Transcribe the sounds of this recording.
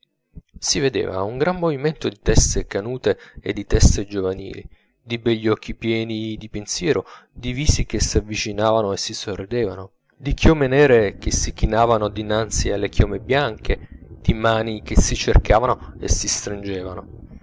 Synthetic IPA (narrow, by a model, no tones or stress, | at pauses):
sived̪ḛːva̰uŋɡɾanːoviment̪od̪it̪ɛst̪ekanuːt̪eed̪ːit̪ɛst̪ed͡ʒovanḭːlḭ | d̪ibɛʎːɔk̟ːipjɛːnid̪ipensjɛːɾʔod̪iviːsikesːiavːit͡ʃinaːvanoesːisorːid̪eːvano | d̪ikʰjoːmenɛːɾek̟esːik̟inaːvanod̪inant̪sialːekjoːmebjaŋkʰed̪̥imaːnik̟esit͡ʃerkaːvanoḛsist̪ɾind͡ʒeːvano̰